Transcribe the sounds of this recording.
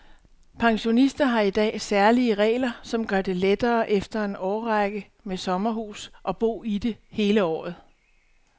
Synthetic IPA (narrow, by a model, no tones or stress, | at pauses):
pʰɑ̈ŋɕo̝nisd̥ɐɦɑ̈id̥ɛ̰ːsæɐliəʁɛ̰ːlɐsɒ̽mɡ̥ɶɐd̥e̝led̥ɐːʔefd̥ɐe̝nɒːʁaɡ̥ə | mesɒ̽mɐɦṵːsʔɒ̽b̥o̝̰ːid̥e̝he̝ːləɒ̰ːð̞̩ˠ